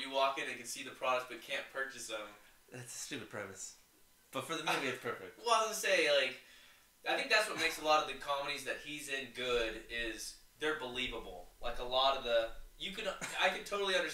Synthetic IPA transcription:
jɨwɔkɨ̃nɨ̃nkɨ̃nsiðɨpʰɹ̥ɑɾək̚s̚b̥ʌt̚kʰæ̃npʰɜ˞t͡ʃɨsə̃m | ðætsɨ̥stʉpɨd̚pʰɹ̥ɛmɨs | b̥ʌtfə˞ðɨmʉ̃viɨpʰɜ˞fɪ̰k̚t̚wɛəseɪlaɪk | aɪθɪ̃ŋk̚ðætswʌt̚meɪksəlɔɾʌvðɨkʰɑməɾizðɨt̚hizɪ̃nɡʊɾɪz̥ðə˞bəlivəbl̩ˠlʔa̰ɪkəlɔɾʌvðəjɨkɨ̃naɪkɨ̃ntʰoʊɾl̩ˠiʌ̃ndə˞s

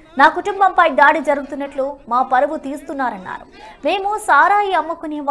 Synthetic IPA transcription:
naːkuʈumbɐmpɐjɖ̪aːɽid͡ʒɐɾuɡut̪unːɐʈlumaːpɐɾɐʋut̪iːst̪unːaːɾɐnːa̰ːɾume̞ːmusaːɾaːjiɐmːukuneʋ

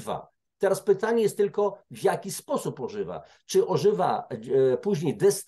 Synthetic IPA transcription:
va̰ | t̪ɛɾaspɘt̪aɲɛjɛst̪ːɘlkɔvʲjakʲispɔsupɔʐɘva̰ | t͡ʂɘʔɔʐɘva̰puʑɲejd̪ɛs

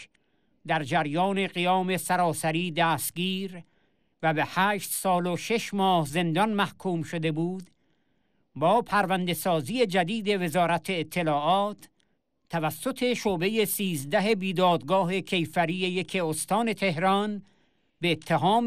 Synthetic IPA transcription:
d̪æɾd͡ʒæɾjɒːne̞ɣijɒːme̞sæɾɒːsæɾiːd̪æːst̪̚ɡiːɾ | væbehæːʃt̪sɒːloʃe̞ʃmɒːhze̞nd̪ɒnmæhkʰuːmʃod̪e̞buːd̪ | bɒːpʰæɾvænd̪e̞sɒːziːje̞d͡ʒæd̪iːd̪e̞ve̞zɒːɾæt̪ʰe̞ːt̪ʰːe̞lɒːʔɒːt̪ʰː | ævæsːot̪ʰe̞ʃoːbe̞jesiːzd̪æɦe̞biːd̪ɒːd̪ɡɒːɦe̞kʰe̞jfæɾijejekʰe̞ost̪ɒːne̞t̪ʰe̞ɦɾɒn | beːt̪ʰːeɦɒːm

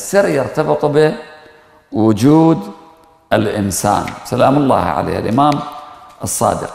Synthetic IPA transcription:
sːɪɾjɪɾt̪ɑbɨt̪ˤbɪ | wʊd͡ʒuːd̪ | ɪlʔɪnsa̰ːnsalaːmlˤːɑ̰ːhʕa̰lḛːhʔa̰lʔɪmaːmʔɨsˤːɑ̰ːd̪ɪ̰q

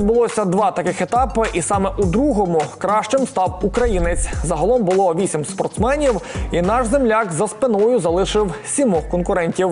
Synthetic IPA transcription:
d̪̚bʊlˠɔsʲɐd̪ʋɑt̪ɐkɪxet̪ɑpɪʔisɑmɛʔud̪ɾuɦɔmʊkɾɑʃt͡ʃɪmst̪ɑwukɾɐjinɪt͡sʲzɐɦɐlˠɔmbʊlˠɔʋʲisʲimspɔrt̪smɛnʲiwinɑʃzemlʲakzɐspɪnɔjʊzɐlˠɪʃɪwsʲimɔxkɔnkʊɾɛnʲtʲiw

